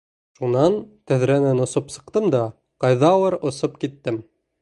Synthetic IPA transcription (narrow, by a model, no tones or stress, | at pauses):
ʃunɑnt̪ɘ̆ðɾænænŏsopsɤ̆qt̪ɤmd̪ɑ | qɑjðɑwɤɾŏsopkit̪ːɘm